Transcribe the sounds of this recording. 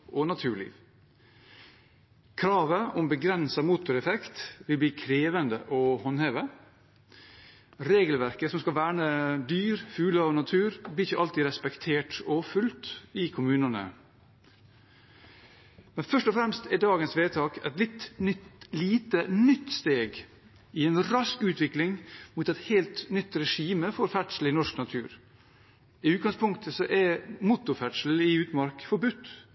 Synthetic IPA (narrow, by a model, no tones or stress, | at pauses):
ʔɔnɑt̪ʰʉːɭḭːʋ | kʰɾɑːʋəʔʊmbəɡɾɛnsɑmuːt̪ʊɾɛfɛkt̪ʋɪlb̪iːkʰɾeːʋənd̪əʔɔhɔnheːʋə | ɾeːɡəlʋæɾkəsɔmskɑlʋæːɳəd̪yːɾfʉːləɔnɑt̪ʰʉːɾblɪɪçəʔɑlt̪iɾɛspɛkt̪ʰeːʈɔfʉlt̪ɪkʰʊmʉːnənə̰ | mɛnfœʂʈɔfɾɛmst̪ɛdɑːɡənsʋeːt̪ʰɑːkɛ̰t̪lɪt̪nʏt̪liːt̪ənʏt̪ːst̪eːɡ | ɪɛnɾɑskʉːt̪ʋɪklɪŋmuːt̪ɛt̪heːlt̪nʏt̪ːɾɛʂiːməfɔɾfæʈʂl̩ɪnɔʂknɑt̪ʰʉ̰ːɾ | ɪʉːt̪̚ɡɑŋspʊŋk̚t̪ʰəsɔʔɛmʊt̪ːʊɾfæʈʂl̩ɪʉːt̪mɑɾkfɔɾbʉt̪ː